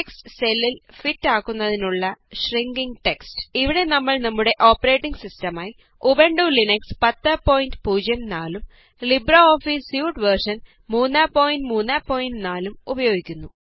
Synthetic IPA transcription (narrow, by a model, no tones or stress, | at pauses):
ekstselːilfitːaːkːunːɐðinuɭːɐɕriŋɡiŋɡʈekstɨ̥iʋiɽe̞nɐmːɐɭnɐmːuɽe̞ʔo̞ːpːɐɾe̞ːʈːiŋɡsistɐmaːji | ubeɳɖulinɐkspɐt̪ːɐpːoːjindpuːd͡ʑjɐnnaːlum | librɐoːfisjuːʈʋɐrʂɐn | muːnːaːpːo̞ːjindmuːnːaːpːo̞ːjindnaːlumubɐjo̞ːɡikʲːunːu